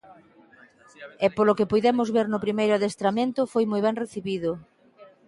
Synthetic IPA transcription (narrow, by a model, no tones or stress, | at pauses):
ɛpolokɪpujðɛmʊzβeɾnʊpɾimejɾʊaðest̪ɾamẽnt̪ʊfojmojβɛŋreθiβiðʊ